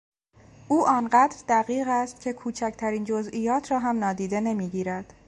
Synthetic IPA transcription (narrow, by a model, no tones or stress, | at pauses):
ʔuːʔɒːnɢæːd̪ɾd̪æɣiːɣæst̪̚cʰe̞kʰuːt͡ʃʰæcʰt̪ʰæɾiːnd͡ʒo̞zʔiːjɒːt̪ʰɾɒːɦæmnɒːd̪iːd̪e̞ne̞miːɟiːɾæd̪̥